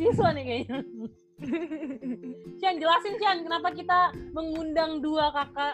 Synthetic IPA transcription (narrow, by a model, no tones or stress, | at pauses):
isanikaja | t͡ʃiand͡ʒəlasɪnt͡ʃiankənapak̬it̪aməŋundaŋduakaka